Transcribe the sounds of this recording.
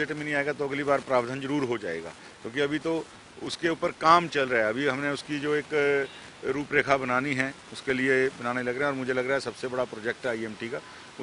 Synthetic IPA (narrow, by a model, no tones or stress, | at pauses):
eʈmẽnɐɦĩaːeɡat̪oɐɡlibaːɾpɾaːʋd̪ʱənzɐɾuːɾɦod͡ʒa̰ːḛːɡa̰ː | kjõːkiɐbʱit̪o | ʊskeuːpəɾkaːmt͡ʃɐlɾɐɦɛɐbʱiɦɐmneʊskid͡ʒoːeːk | ɾuːpɾeːkʰabɐnaːniɦɛ̃ | ʊskeliebɐnaːnelɐɡɾeɦeɛ̃ɔːɾmʊd͡ʒʱelɐɡɾaɦɛsɐbsebɐɽapɾoːd͡ʒɛk̚ʈɦɛiɛːmʈika | ʊ